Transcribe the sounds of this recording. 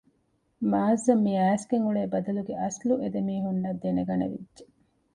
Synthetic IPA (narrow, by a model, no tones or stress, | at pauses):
maːzːɐmːiæːsɡeŋuɭeːbɐd̪ɐluɡeʔɐsluʔed̪emiːɦunːɐd̪ːeneɡɐnḛʋḭdːʒe